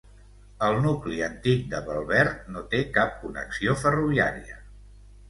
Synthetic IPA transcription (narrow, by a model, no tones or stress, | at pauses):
əlˠnukliənt̪ik̚d̪əβəlˠβɛɾt̪̚not̪ekap̚kunə̰ksiofəruβia̰ɾiə